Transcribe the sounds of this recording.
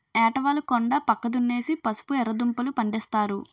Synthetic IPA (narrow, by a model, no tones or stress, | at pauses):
ɛːʈɐʋaːlɐkɔɳɖapɐkːɐd̪unːe̞ːsipɐsu̥puɛɾːɐd̪umpɐlupɐɳɖɛst̪aːɾu